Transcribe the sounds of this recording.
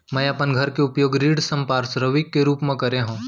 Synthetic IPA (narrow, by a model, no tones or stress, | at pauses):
mɛ̃jɐpənɡʱɐɾkeʊpjoːɡɾiːɽsɐ̃mpaːɾsɾəʋikːeɾuːpmẽkɐɾeɦũː